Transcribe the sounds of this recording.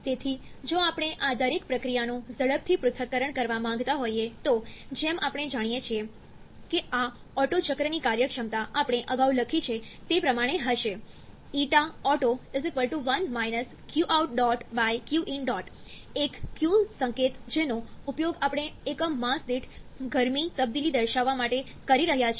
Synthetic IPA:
t̪et̪ʰi | d͡ʒoapɳ̃eʔad̪əɾekpɾəkɾijanũzəɽəb̚t̪ʰipɾʊt̪ʰəkːəɾəɳkəɾʋamãŋɡt̪aɦoiet̪od͡ʒemapɽ̃ed͡ʒaɽ̃ijet͡ʃʰie | kea | ɔʈot͡ʃəkɾənikaɾjəkʃəmt̪aʔapəɽ̃eʔəɡauləkʰit͡ʃʰet̪epɾəmaɽ̃eɦəʃe | iʈaɔʈoɪzɪkʋəlʈuʋənmajnəs | kjuʔawʈ̚ɖɔʈʋajkjuʔinɖɔʈekkːjusə̃ŋket̪d͡ʒenoupjoɡapəɳ̃eːkəmãsd̪iʈʰɡʱəɾmit̪əb̚d̪ilid̪əɾʃaʋːamaʈe | kəɾiɾəɦjat͡ʃʰ

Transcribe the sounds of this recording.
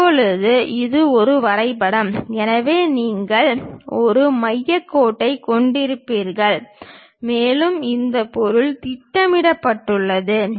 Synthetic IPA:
pːɔɭɯðɯɪðɯɔɾɯʋɐɾɐɪpɐɽɐmɛnɐʋeːniːŋɡɐɭʔɔɾɯmɐjːɐkːoːʈːɐɪkɔɳɖɪɾɯpːiːɾɣɐɭ | meːlɯmɪnd̪ɐpɔɾɯɭt̪ɪʈːɐmɪɽɐpːɐʈːɯɭːɐðɯ

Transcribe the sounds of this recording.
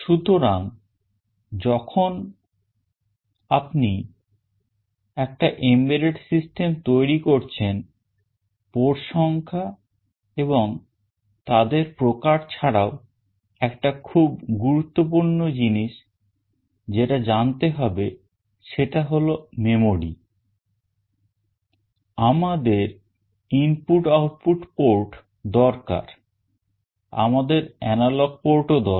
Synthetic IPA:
ʃut̪oɾaŋ | d͡ʑɔkʰon | apni | ɛk̚ʈaʔembeleʈsisʈemt̪ojɾikoɾt͡ɕʰen | poɾʃɔŋkʰa | eboŋ | t̪ad̪eɾpɾokaɾt͡ɕʰaɽao | ɛkʈakʰubɡuɾut̪ːop̬uɾnɳod͡ʑiniʃ | d͡ʑeʈad͡ʑant̪eɦɔbe | ʃeʈaɦolomemoɽḭ | amad̪eɾ | impuʈawʈ̚puʈpoɾʈ | d̪ɔɾka̰ɾ | a̰mad̪eɾɛnalɔɡ̚poɾʈod̪ɔɾ

